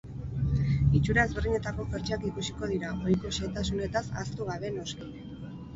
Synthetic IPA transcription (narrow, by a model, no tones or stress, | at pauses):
it͡ʃuɾaezβerðiɲe̞t̪ako̞feɾt͡ʃakikusi̥ko̞ð̞iɾaʔo̞jko̞se̞t̪asune̞t̪asa̰st̪uɣ̞aβe̞no̞ski